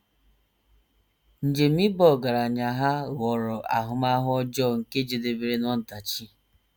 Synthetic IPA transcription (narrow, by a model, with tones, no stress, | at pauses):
n̩˨d͡ʒe˨m̩i˦bɔ˦˨ɡa˨ɾa˨ɲa˨ɦa˦ɣɔ˨ɾɔ˨ʔa̰˨ɦʊ˦ma˦ɦʊ˦ɔ˦d͡ʒɔ˦˨ŋ̩˨ke˦d͡ʒe˨de˨be˨ɾe˦nɔ˦n̩˨ta˨t͡ʃi˦